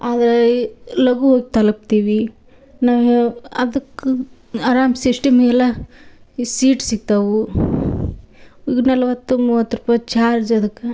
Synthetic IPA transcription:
aːd̪ɐɾelɐɡuɦoːɡit̪ɐlɐp̚t̪iːʋi | naːʋɐ̰d̪ɐkːu | aɾaːmsiʂʈɐmɛla | siːʈsiɡ̚t̪aʋu | nɐlɐʋɐt̪ːumuːʋɐt̪ːɾupaːjt͡ʃaːɾd͡ʒɐd̪ɐkːe

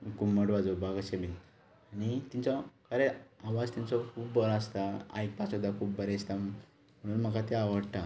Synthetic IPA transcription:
kumːəɽʋad͡zobaɡaɕebin | añit̪int͡sɔkəɾeaʋad͡zt̪int͡sɔkʰuːbːɔɾɔast̪aa̰ik̚pasɔd̪akʰuːbbəɾɛst̪a | m̤əɽ̃uːnm̤əkat̪eaʋəɽt̪a

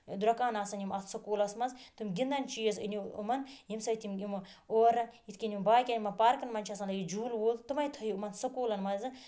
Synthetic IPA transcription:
d̪uɾɐkaːnaːsɐnjimɐssɐkuːlɐsmɐzt̪umɡʲind̪ɐnt͡ʃijɐsḭniṵmɐnjimsɐjit̪ʰimimoːɾɐjit̪ʰʲkʲɐnjimbaːjkʲenʲimɐnpaːɾkɐnmɐnʲt͡ʃʰɐs̬ɐnlɐjid͡ʒuːlwuːlt̪ɨmɐjt̪ʰɐjiumɐnsɐkuːlɐnmɐzɨ

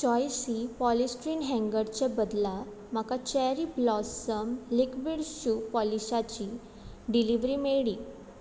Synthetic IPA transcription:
t͡ɕɔjsipɔlisʈɾiːnɦɛ̃ŋɡəɾt͡ɕabəd̪la | m̤akat͡ɕɛɾiblɔsəmlikbiɽɕuːpɔlisat͡ɕi | ɖiliʋɾimeɭiː

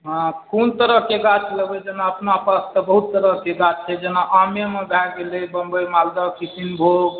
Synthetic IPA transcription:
ɦkont̪əɾəɦkeɡat͡ʃləbɛd͡ʒenaəpnapast̪əbəɦut̪ːəɾəɦkeɡat͡ʃt͡ʃʰɛd͡ʒenaʔamjemebʱɛɡelɛbəmbəjmald̪akisinbʱoɡ

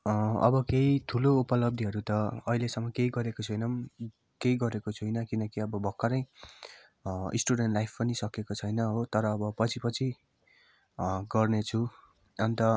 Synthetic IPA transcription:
ʌ̰bʌkeit̪ʰuloupʌlʌb̚d̪ʱiɦʌɾut̪ʌʌilesʌŋːʌkejɡʌɾekot͡sʰʌjnʌm | kejɡʌɾekot͡sʰujnʌkinʌkiʌbʌbʱʌkːaɾʌ̃j̃ | ḭsʈuɽenʈlajpʰpʌnisʌkekot͡sʰʌjnʌɦot̪ʌɾʌːbʌpʌt͡sʰipʌt͡sʰi | ɡʌrnet͡sʰu | ʌnt̪ʌ

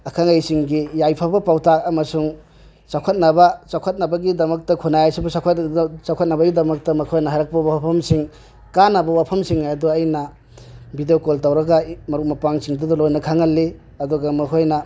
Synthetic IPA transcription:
ɐkʰaŋajsiŋɡijajpʰabɐpawtak̚ɐmɐsuŋ | t͡ʃawkʰɐt̚nɐbɐt͡ʃawkʰɐt̚nɐbɐɡidɐmɐk̚tɐkʰunajajsibusawkʰtsawkʰɐt̚nɐbɐɡidɐmɐk̚tɐmɐkʰojnɐɦajɾɐk̚pɐbawapʰɐmsiŋ | kanːɐbɐwapʰɐmsiŋduɐjnɐ | bidejokoltawɾɐɡɐmɐɾuk̚mɐpaŋsiŋdɐdɐlojnɐkʰaŋɐlːi | ɐduɡɐmɐkʰojnɐ

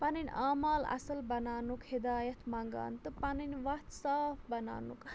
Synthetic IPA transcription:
pɐninʲaːmaːlɐ̰sɐlbɐnaːnukhid̪aːjɐt̪ʰmaŋɡa̰ːnt̪ɨpɐninʋɐt̪saːpʰbɐna̰ːnuk

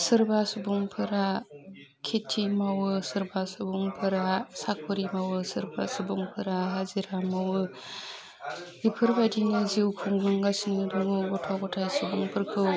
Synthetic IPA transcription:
sɯɾbasubuŋpʰɯɾa | kʰetʰimawɯsɯɾbasɯbuŋpʰɯɾasak̚ɯɾimawɯsɯɾba̰sɯbuŋpʰɯɾaɦaziɾamawɯ | ipʰɯɾbadinɯziwkʰuŋɡɯŋɡasiŋɯdɯŋɯɡɔtʰɔɡɔtʰajsubuŋpʰɯɾkʰɯw

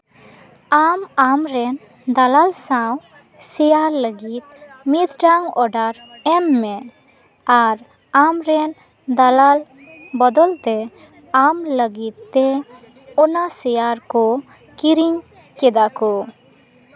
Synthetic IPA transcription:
amamɾɛn | d̪alalsaw | sɛjaɾləɡit̪̚mit̪ɖaŋɔɖaɾ | ɛmːɛ | aɾ | amɾɛn | d̪alal | bɔd̪ɔlt̪ɛ | amləɡit̪ːɛ | ɔnasɛjaɾkɔ | kiɾiɲ | kɛd̪akɔ

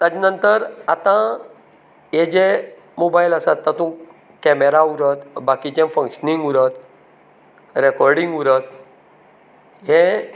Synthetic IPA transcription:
t̪ãd͡ʑanənt̪əɾat̪ã | jed͡ʑe | mobajləsat̪ːãt̪ũ | kɛmeɾauɾət̪bakit͡ɕẽfə̃ŋkɕənĩŋɡuɾət̪ | ɾɛkɔɾɖĩŋɡuɾət̪̚ | ɦẽ

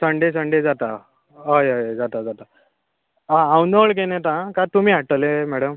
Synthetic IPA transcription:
səɳɖesəɳɖed͡zat̪a | ɦəjɦəjd͡zat̪ad͡zat̪a | ããwnəɭk̬enẽt̪ãkat̪umiːɦaʈəlemɛɽəm

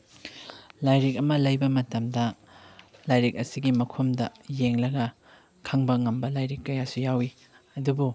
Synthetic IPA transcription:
lajɾik̬̚ɐmɐlɐjbɐmɐtɐmdɐ | lajɾik̚ɐsiɡimɐkʰomdɐjeŋlɐɡɐ | kʰɐŋbɐŋɐmbɐlajɾikːɐjasujawi | ɐdubu

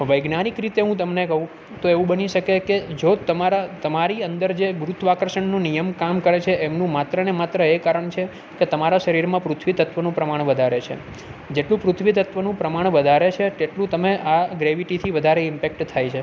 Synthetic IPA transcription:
ʋəjɡnanikɾit̪eɦũt̪əmnekəɦũ | t̪oeʋũbəniʃəkeked͡ʒot̪əmaɾat̪əmaɾiənd̪əɾd͡ʒeɡɾut̪ʋakɾəʃəɳnũnijəmkamkəɾet͡ʃʰeʔemnũmat̪ɾənemat̪ɾəekaɾəɳt͡ʃʰe | ket̪əmaɾaʃəɾiɾmãpɾʊt̪ʰʋit̪ət̪ʋənũpɾəmaɳ̃ʋəd̪ʱaɾet͡ʃʰḛ | d͡ʒeʈlũpɾʊt̪ʰʋit̪ət̪ʋənũpɾəmaɳ̃ʋəd̪ʱaɾet͡ʃʰet̪eʈlũt̪əmeʔaɡɾeʋiʈit̪ʰiʋəd̪ʱaɾeɪmpɛk̚ʈt̪ʰːajt͡ʃʰe

